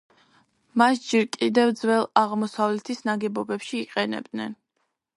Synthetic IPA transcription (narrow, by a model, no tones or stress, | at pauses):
masd͡ʒɛɾkʼid̪ɛvd̪zwɛlˠaʁmɔsavlɛt̪ʰisnaɡɛbɔbɛpʃiːqʼɛnɛ̰b̚d̪nɛ̰n